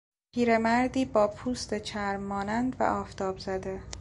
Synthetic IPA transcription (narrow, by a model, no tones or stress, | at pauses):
pʰiːɾe̞mæɾd̪iːbɒːpʰuːst̪et͡ʃʰæɾmːɒːnænd̪væ̰ʔɒːft̪ʰɒːbzæd̪e̞